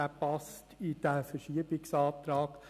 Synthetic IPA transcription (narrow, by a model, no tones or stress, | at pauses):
æpɑstʰid̥æfəɾʃiəbɪksɑːt̪ɾɑːk